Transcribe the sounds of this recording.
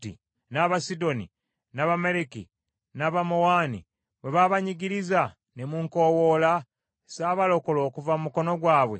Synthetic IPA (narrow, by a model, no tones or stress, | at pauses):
tḭ | naβasido̞nḭ | naβameɾeki | naβamowaːnḭ | βwe̞βaβaɲiɟiɾiza | nemuːŋko̞wo̞la | saːβalo̞ko̞lo̞ːkuvamumuko̞no̞ɡwaːβwe̞̰